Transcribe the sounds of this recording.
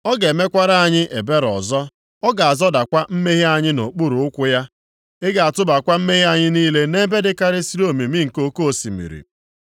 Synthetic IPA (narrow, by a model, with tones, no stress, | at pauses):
ɔ˦ɡe˨me˦kʷa˦ɾa˦a˨ɲɪ˦ʔe˨be˦ɾɔ̰˨zɔ˦ | ɔ˦ɡa˨a˨zɔ˦da˨kʷa˦m̩˦me˦ɦi˦a˨ɲɪ˦no˨k͡pu˦ɾʊ˨ʊ˦kʷʊ˦ja˦ | ɪ˦ɡa˨a˨tʊ˦ba˨kʷa˦m̩˦me˦ɣi˦a˦˨ɲɪ˦niː˦le˦ne˦be˦dɪ˦ka˦ɾɪ˦si˦ɾo˦˨mi˨mi˦ŋ̩˨ko˦ko˦o˨si˨mḭ˨ɾḭ˨